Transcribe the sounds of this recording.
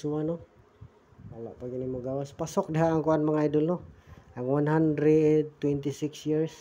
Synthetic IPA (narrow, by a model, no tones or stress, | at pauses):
suano | kala̰ʔpaɡinimoɡawaspasok̚daɦaʔːŋkuanmaŋajduloaŋwanɦand̪ɾɛd̪̚t̪wɛnt̪isɪksjiɾs